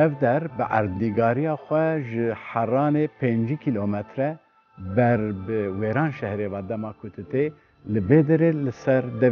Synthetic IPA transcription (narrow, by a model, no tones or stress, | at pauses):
ɛvd̪ɛɾbɨʔæ̰ɾd̪niɡɑːɾijɑːxʷɛʒɨħærɑːneːpʰend͡ʒikʰilomɛt̪ɾɛ | bɛɾbɨweːɾɑːnʃɛhɾeːvɑːd̪ɛmɑːkʰʊt̪ʰɨt̪e | lɨveːd̪ɨɾelɨsɛɾd̪ɛ